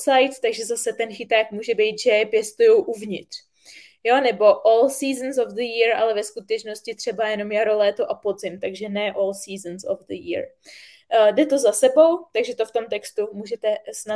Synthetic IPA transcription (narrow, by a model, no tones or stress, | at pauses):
sajt̪t̪aɡʒɛzasɛt̪ɛnxɪt̪aːkmuːʒɛbɛjt̪ʒɛpjɛst̪ujowʔuvɲɪt̪r̝̥ | jo̞nɛbo̞ʔoːlsiːznsovd̪əjiɾʔalɛvɛskut̪ɛt͡ʃno̞scɪt̪r̝̥ɛbajɛno̞mjaɾo̞lɛːt̪o̞ʔapodzɪmt̪aɡʒɛnɛʔoːlsiːzənso̰vd̪əjḭɾ | dɛt̪o̞zasɛbo̞wt̪aɡʒɛt̪o̞ft̪o̞mt̪ɛkst̪umuːʒɛt̪ɛsna